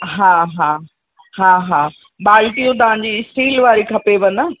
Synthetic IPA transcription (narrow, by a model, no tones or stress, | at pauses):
ɦãːɦãː | ɦãːɦãː | baːlʈijũt̪ɐʋ̤ãːɲ̆d͡ʑiːsʈiːlʋaːɾikʰɐpeʋɐnə